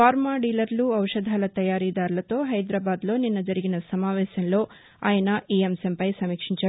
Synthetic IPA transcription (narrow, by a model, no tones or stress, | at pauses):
faːɾmaːɖiːlɐɾluɐwʂɐd̪ʱaːlɐt̪ɐjaːɾid̪aːɾlɐt̪o̞ːɦɐjd̪ɾaːbaːd̪lo̞ːninːɐd͡ʒɐɾiɡinɐsɐmaːʋɛːʃɐnlo̞ː | a̰ːjɐnɐʔiːemsempɐjsɐmiːkʂiɲt͡ʃɐ